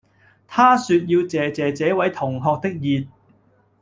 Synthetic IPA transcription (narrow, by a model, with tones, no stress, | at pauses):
t̪ʰaː˥syː˧t̚jiː˧wt͡sɛː˨t͡sɛː˨t͡sɛː˨˥wɐ˨˥jt̪ʰʊ˨˩ŋɦɔː˨˧k̚t̪ɪ˥k̚jiː˨t̚